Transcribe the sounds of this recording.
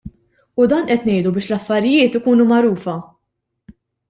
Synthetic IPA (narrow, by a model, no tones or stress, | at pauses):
ud̪ɐːnʔɛt̪nɛjd̪ubɪːʃlɐfːɐɾɪjɪːt̪ɪkuːnumɐɾuːfɐ